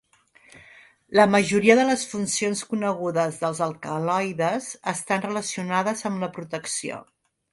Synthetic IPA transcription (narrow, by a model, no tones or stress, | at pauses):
ləməʒuɾiəðələsfunsionskunəɣ̞uðəzðəlˠzəlˠkəlɔjðəzəst̪anrələsiunaðəzəmləpɾut̪əksio̰